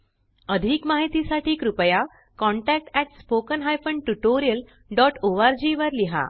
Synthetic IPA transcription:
əd̪ʱiːkmaɦit̪isaʈʰiːkɾupəja | kɔɳʈæk̚ʈɛʈspokənɦajfəɳɖʈuʈoɾijəl | ɖɔʈoʋaɾd͡ʑiʋəɾliɦa̰

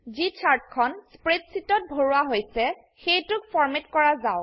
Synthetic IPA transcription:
zit͡ʃʰaɹtkʰɔnspɹetsitɔt̚bʱoɹʊwaɦojsɛ | xejtʊk̚fʰɔɹmetkɔɹazaʊ

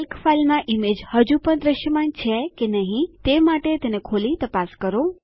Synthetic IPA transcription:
əlkfalmãʔimed͡ʒhəd͡ʒũpəɳd̪ɾəʃjəmant͡ʃʰekenəɦĩt̪emaʈet̪enekʰolit̪əpaskəɾo

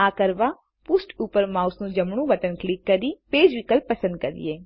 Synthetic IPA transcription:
aːkəɾʋa | pʊsʈuːpəɾmaːʊsnũd͡ʒɐmɽ̃ũʋɐt̪ənklɪkːɐɾipeːd͡ʒʋikəlpɐsə̃nd̪̚kəɾḭeː

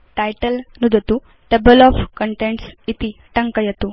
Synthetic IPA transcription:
ʈajʈəlnud̪ʱət̪u | ʈəbəlɔfkəɳʈeɳʈsit̪iʈəŋkəjet̪u

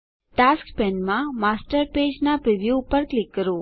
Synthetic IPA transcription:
ʈaskpɛnmãmasʈəɾped͡ʒnapɾiʋjuːpəɾklɪkːəɾũ

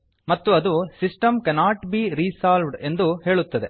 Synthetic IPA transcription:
mɐt̪ːuɐd̪usisʈɐmkɛnaːʈbiːɾiːsaːlʋɖe̞nd̪uhe̞ːɭut̪ːɐd̪e̞

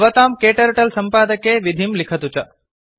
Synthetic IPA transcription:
ʋət̪aːmkeːʈəɾʈəlsəmpaːd̪əkeʋid̪ʱimlikʰət̪ut͡ʃɐ

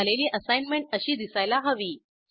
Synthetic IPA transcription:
aleliːʔəsajnmeɳʈəɕiːd̪isajlaɦəʋiː

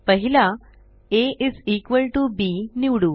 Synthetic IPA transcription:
pəɦila | eʔisikʋəlʈubiniʋɽuː

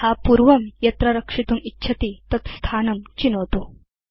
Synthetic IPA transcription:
hapuɾʋɐmjɐt̪ɾaɾəkʂit̪uːmitːɕʰɐt̪it̪ɐt̪st̪ʰanɐmt͡ɕinot̪o

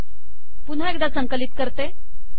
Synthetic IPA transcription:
pun̤aek̚d̪asəŋkəlit̪̚kəɾt̪e

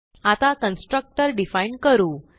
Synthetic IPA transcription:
at̪akənsʈɾək̚ʈəɾɖifainɖkəɾuː

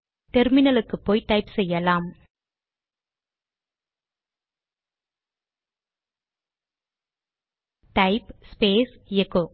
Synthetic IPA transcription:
t̪ɛɾmɪnɐlɯkːɯpːoːjʈɐɪpsɛjːɐlaːm | ʈɐɪpspeːsɛkːoː

